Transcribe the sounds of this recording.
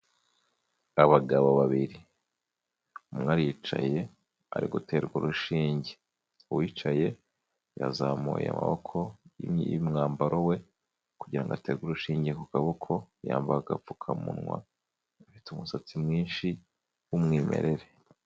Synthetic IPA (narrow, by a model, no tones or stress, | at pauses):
aβaɡaβoβaβiɾi | umŋaːɾijit͡ʃa̰je̞ | a̰ɾiɡute̞ːɾɡuɾuʃiːɲɟe | uwiːt͡ʃaje̞ | ja̰zamṵjea̰ma̰βokʰo̞imŋaːmbaɾʔo̞we̞ | kuɟiɾaŋɡateːɡuɾuʃiːɲɟiekukaβukʰo̞ja̰ːmbaaɡafukʰamṵnŋwa̰ː | fitumusat͡simŋiːnʃi | wumŋiːme̞̰ɾe̞ɾe